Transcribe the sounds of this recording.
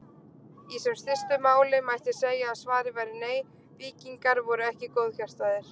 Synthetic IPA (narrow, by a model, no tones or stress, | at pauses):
isɛmst̪ɪst̪ʏmaːwlɪmajht̪ɪseːjaːðsvaːɾɪvajɾɪneːj | viːciŋkaɾvɔɾʏɛhcɪkoːwðçar̥t̪aðɪɾ̥